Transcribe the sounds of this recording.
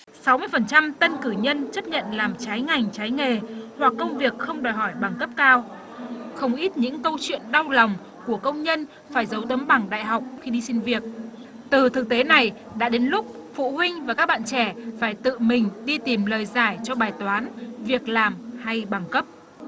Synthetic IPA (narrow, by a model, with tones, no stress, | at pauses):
sa˨˦wmɨ˧əjfə˨˩nt͡ɕa˧mt̪ə˧nkɨ˧˩ɲə˧nt͡ɕə˦˥p̚ɲə̰˧˨nlaː˨˩mt͡ɕaː˨˦jŋa˨˩jŋ̟t͡ɕaː˨˦jŋe˨˩hwa˨˩kːə˧wŋ͡mvi˨˩ək̚xə˧wŋ͡mɗɔ˨˩jɦɔ˧˩jɓa˨˩ŋkə˦˥p̚kaː˧w | xə˧wŋ͡mʔi˦˥t̚ɲɨ̰˧˥ŋkə˧wt͡ɕwḭ˧˨ənɗa˧wla˨˩wŋ͡m | ku˧˩əkə˧wŋ͡mɲə˧n | faː˧˩jzə˨˦wt̪ə˨˦mɓa˧˩ŋɗa̰ː˧˨jɦa˨˩wk͡p̚xi˧ɗi˧si˧nvi˨˩ək̚ | t̪ɨ˨˩t̪ʰɨ˨˩k̚t̪e˨˦na˨˩j | ɗa̰ː˧˥ɗe˨˦nlʊ˦˥k͡p̚ | fṵ˧˨hwi˧ŋ̟vaː˨˩ka˦˥k̚ɓa̰ː˧˨nt͡ɕɛ˧˩faː˧˩jt̪ɨ̰˧˨mï˨˩ŋ̟ɗi˧t̪i˨˩mləː˨˩jzaː˧˩jt͡ɕɔ˧ɓaː˨˩jt̪waː˨˦nvi˨˩ək̚laː˨˩mha˧jɓa˨˩ŋkə˦˥p̚